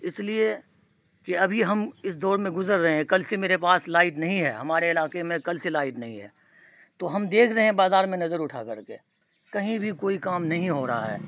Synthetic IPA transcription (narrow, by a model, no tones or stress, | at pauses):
ɪslie | keɐbʱiɦɐmɪs̬d̪ɔːɾmẽɡʊzəɾːɐɦẽɦɛ̃kɐlsemeːɾepaːslaːɪʈnɐɦĩɦɛːɦɐmaːɾeɪlaːkemẽkɐlselaːɪʈnɐɦĩɦɛ̰ː | t̪oːɦɐmd̪eːkʰɾɐɦeɦɛ̃baːzaːɾmẽnɐzəɾʊʈʰa̰kɐɾkḛː | kɐɦĩbʱikoːikaːmnɐɦĩɦoːɾɐɦa̰ɦɛ̰ː